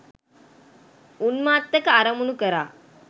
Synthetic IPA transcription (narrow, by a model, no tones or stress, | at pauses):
unmaːt̪ːɐkɐaɾɐmunukəɾa̰ː